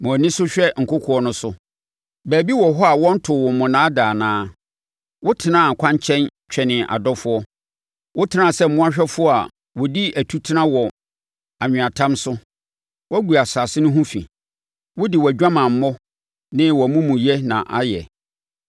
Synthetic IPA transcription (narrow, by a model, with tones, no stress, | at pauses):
mʊ̃˨nɪ̃˦sʊ˦ɕᶣɛ˦ŋ̩˨kʊ˦kʰʊ˨ɔ˦nʊ̃˦sʊ˦ | bæː˨bi˦wɔ˨ɦɔ˦a˨wɔ̃˦n̩˦tʰʊ˨wʊ̃˨mʊ̃˨nãː˦daː˨nãː˦ | wʊ˦tʰɪ˨nã˦˨ŋ̩˨kʰã˦ɲ˦t͡ɕʰɛ̃˦nt͡ɕᶣɛ˨nɪ̃˨ʔa̰˨dɔ˦fʊ˦ɔ˦ | wʔʊ˦tʰɪ˦nã˨sɛ˦m̩˨mʊ̃˦a˦ɕᶣɛ˦fʊ˦ɔ˦a˨ | wɔ˨di˦æ˨tʰu˦tʰi˦nã˦wɔ˨ | a˨ɲᶣɪ̃˨a˨tʰã˦msʊ˦ | wɔ˦ɡu˨a˨sa˨sɪ˦nʊ̃˦ɦũ˦fḭ̃˨ | wʊ˦di˨wɔ˨æ˨d͡ʑᶣã˦mã˨m̩˨mɔ̃˦ | nɪ̃˦wɔ˨mũ˦mũ˨jɛ˦nã̰˨ʔa˦jɛ˨